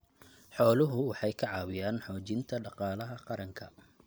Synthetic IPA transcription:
ħɔːlʊɦʊwɑħɑjkʰɐʕɑːwɪjaːnħɔːt͡ʃɪnt̪ʰɐɖɑqɑːlɐɦɐqɑɾɐŋkʰɐ̰

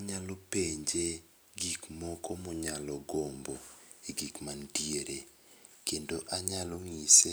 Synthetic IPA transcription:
aɲalɔpeɲd͡ʒe | ɡikmɔkɔmɔɲalɔɡombo | eɡikmantieɾe | kendoʔaɲalɔŋise

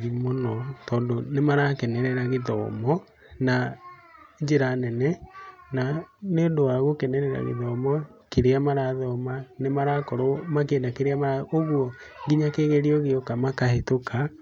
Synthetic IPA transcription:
ɾimonɔtɔːndonemaɾakɛnɛɾɛɾaɣeðɔmɔ | na | d͡ʒeɾanɛnɛnaneondoaɣokɛnɛɾɛɾa̰ɣḛðɔmɔkeɾeamaɾaðɔmanemaɾakɔɾomak̬eːndakeɾeamaɾaoɣwɔɡiɲakeːɣeɾiɔɣeɔkamakahetokʰa

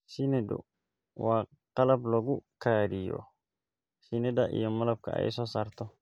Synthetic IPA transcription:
sinɛdʊ̰ | waː | qɑlɐblɐɡʊkʰaːɾijɔ̰ | sinɛdɐʔḭjɔmɐlɐb̚kʰɐ̰ɛ̰jsɔːsaːrt̪ʰɔ

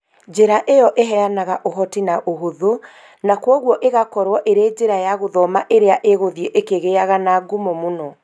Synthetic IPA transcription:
d͡ʑeɾaʔejɔʔeɦɛanaɣaʔoɦɔtinaʔoɦoðo | nakwɔɣwɔʔeɣakɔɾwɔʔeɾeːd͡ʒeɾajaɣoðɔmaʔeɾeaʔeɣoðieʔekeɣeaɣanaːɡumomonɔ

